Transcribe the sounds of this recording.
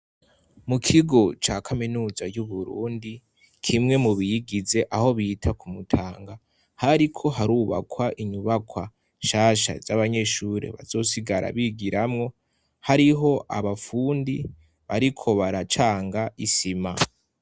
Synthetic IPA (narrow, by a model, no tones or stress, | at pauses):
mukʰiɡo̞t͡ʃakʰaminuːzajuβuɾṵːndi | kʰimŋe̞muβijiɡize̞ʔaho̞βiːtʰakumutʰaːŋɡa | haɾikʰo̞ɦaɾuːβa̰kʰwaʔiɲuβakʰwa | ʃaːʃa̰zaβaɲe̞ʃuɾe̞̰βa̰zo̞ːsiɡaɾa̰βiɡiɾamŋo̞ | haɾiɦo̞ʔa̰βafuːndi | βaɾikʰo̞βaɾat͡ʃaːŋɡaʔisima